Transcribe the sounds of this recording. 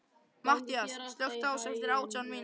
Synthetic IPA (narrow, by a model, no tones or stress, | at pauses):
maht̪iasst̪lœxt̪awsɛft̪ɪɾaːwtt͡ɕanmin